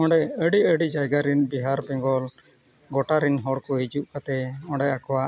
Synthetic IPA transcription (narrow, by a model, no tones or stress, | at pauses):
ɔ̃ɳɖɛəɽiəɽid͡ʒajɡaɾinbiɦaɾbɛ̃ŋɡɔl | ɡɔʈaɾinɦɔɽkɔɦid͡ʒuʔkat̪ɛɔ̃ɖɛakɔwa